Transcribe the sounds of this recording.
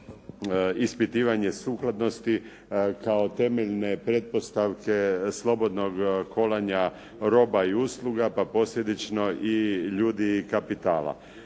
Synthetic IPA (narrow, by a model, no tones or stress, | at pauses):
ispit̪iːʋaɲe̞suːklˠad̪no̞st̪i | kao̞t̪e̞meʎne̞pɾe̞t̪̚po̞st̪aʋke̞slˠo̞bo̞d̪no̞ɡkʰo̞laɲa | ɾo̞baiuslˠuɡapapo̞sʎʲe̞d̪it͡ʃno̞ʔiʎuːd̪ikapit̪aːla̰